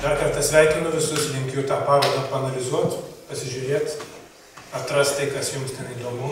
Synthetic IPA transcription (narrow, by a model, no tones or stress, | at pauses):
d̪ɐrkɐrt̪ɐsʲʋʲɛɪkʲɪnʊʋʲɪsʊslʲɪŋʲkʲʊt̪ɑːpɑːʋɐd̪ɐpɐɐnɐlʲɪzuɔt̪pɐsʲɪʒʲʊːɾʲeːt̪ | ɐt̪rɐst̪t̪ɐɪkɐsjʊmst̪ʲɛniːd̪oːmʊ